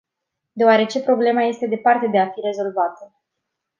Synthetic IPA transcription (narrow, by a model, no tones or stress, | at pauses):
d̪eoaɾe̞t͡ʃe̞pɾo̞ble̞maje̞st̪e̞d̪e̞part̪e̞d̪e̞afiɾe̞zo̞lvat̪ə